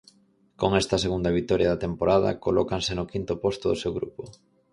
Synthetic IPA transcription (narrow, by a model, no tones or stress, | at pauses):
koŋɛst̪ɐseɣund̪ɐβ̞it̪ɔɾjɐðɐt̪empoɾaðɐ̰kolɔkaŋsenʊkint̪ʊpɔst̪ʊðʊsewɣɾupʊ